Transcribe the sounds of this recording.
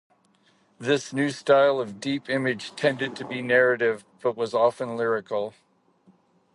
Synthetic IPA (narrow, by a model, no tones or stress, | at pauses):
ðɪsnʉstaɪlˠʌvdipɪ̃mɨd̥ʒ̥tʰɛ̃ndɨd̚tʰɨbinɛɹɨɾɪvb̥ʌt̚wʌzɑfə̃nlɪɹɨkl̩ˠ